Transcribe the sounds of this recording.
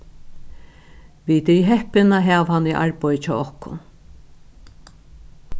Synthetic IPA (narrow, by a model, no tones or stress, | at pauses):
ʋit̪ɛjɦɛhpɪnaɦaːʋhanːiʔa̰ɹpɔjɪt͡ʃʰɔ̰ːɔhkʊ̰n